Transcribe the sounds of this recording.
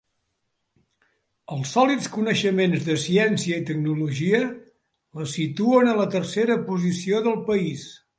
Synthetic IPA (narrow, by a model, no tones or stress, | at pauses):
əlˠsːɔlit͡skunəʃəmenzðəsiɛnsiəit̪əɡ̚nuluʒiə | ləsit̪uənələt̪ərseɾəpuzisioðəlˠpəis